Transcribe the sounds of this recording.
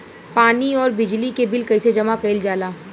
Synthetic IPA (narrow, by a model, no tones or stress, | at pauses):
paːniɔːɾbɪd͡ʒlikebɪlkɐised͡ʒɐmakɐɪld͡ʒaːlaː